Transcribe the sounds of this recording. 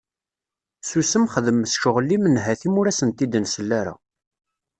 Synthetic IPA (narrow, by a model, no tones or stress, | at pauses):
susəmχəðəmːəsʃʊʁlːimənɦæθimʊɾæsənt̪id̪nsəlːæɾa̰